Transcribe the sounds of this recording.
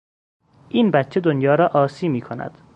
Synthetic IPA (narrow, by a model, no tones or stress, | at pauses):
ʔiːnbæt̪t͡ʃʰːe̞d̪onjɒːɾɒːʔɒːsiːmiːkʰonæ̰d̪̥